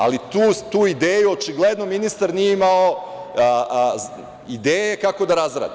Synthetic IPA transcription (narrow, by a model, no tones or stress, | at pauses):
a̰lit̪uːt̪uːid̪eːjuot͡ʃiɡled̪no̞minist̪aɾnijeimao | id̪eːjejekako̞d̪aɾazɾa̰ːd̪i